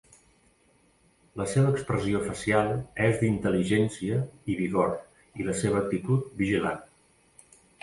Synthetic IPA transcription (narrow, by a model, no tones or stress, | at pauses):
ləseβəːkspɾəziofəsialˠɛzd̪int̪əliʒɛnsiəiβiɣoɾ | iləseβ̞əːk̚t̪it̪ut̪̚biʒila̰n